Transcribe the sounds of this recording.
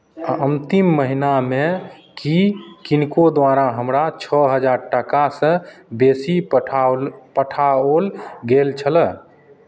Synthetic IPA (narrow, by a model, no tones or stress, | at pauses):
aənt̪imːəɦinamekikinkod̪waɾaɦəmɾat͡ʃʰəɦəd͡ʒaɾʈakasə̃besi | pəʈʰaolɡelt͡ʃʰələ